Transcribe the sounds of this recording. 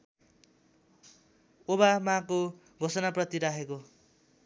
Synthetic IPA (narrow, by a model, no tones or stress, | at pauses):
obamãko | ɡʱosʌnaprʌt̪iɾaɦeko